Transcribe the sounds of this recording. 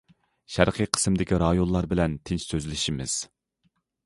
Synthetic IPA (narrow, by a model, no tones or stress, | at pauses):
ʃæɾqʰɨjqʰə̥smd̪ɪkʲiɾɑjonlˠɑɾbɪlɛnt̪ʰɪnt͡ʃsøzlɪʃimɪ̰z̥